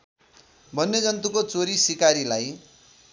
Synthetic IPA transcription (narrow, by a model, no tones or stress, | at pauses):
bʱʌnːed͡zʌnt̪ukot͡soɾisikaɾilaj